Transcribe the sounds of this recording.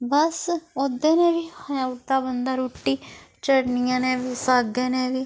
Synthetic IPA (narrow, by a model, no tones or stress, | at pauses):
bəsod̪ẽːnẽːʋiːhəaːʈd̪aːbənd̪aːɾoːʈːiː | t͡ʃəɽnɪjãːnẽːʋiːsaːɡeːnẽːʋiː